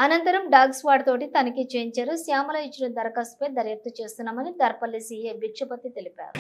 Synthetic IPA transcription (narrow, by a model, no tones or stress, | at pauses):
ɐnɐnt̪ɐɾɐmɖaːɡsʋaːɖt̪oːʈit̪ɐnɐkit͡ʃeːɲt͡ʃɐɾusjaːmɐlɐit͡ʃːinɐd̪ɐɾɐkaːsu̥pɐjd̪ɐɾjɐk̚t̪ɐt͡ʃe̞ːst̪unːaːmɐnid̪ɐɾpɐlːisiːjebikʂɐpɐt̪ːit̪e̞lipa̰ːɾu